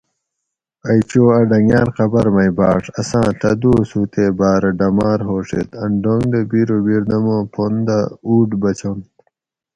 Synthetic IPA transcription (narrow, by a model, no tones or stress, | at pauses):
ɐjt͡ɕoːɐɖɐŋjãːnqɐbɐɾmɐjbaːʂɐsãːʈɐd̪uːsuːt̪ebaːɾɐɖɐmaːɾɦoːʂḛt̪ɐnɖoŋɡd̪ebiɾobiɾd̪ɐmõːpʰond̪auːʈbɐt͡ɕon